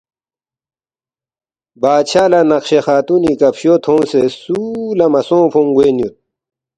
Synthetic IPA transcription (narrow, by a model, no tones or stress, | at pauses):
baːt͡ɕʰaːlɐnɐqɕexaːt̪unikɐpɕot̪ʰõːsesulɐmɐsõːpʰõŋɡweːnjut̪̚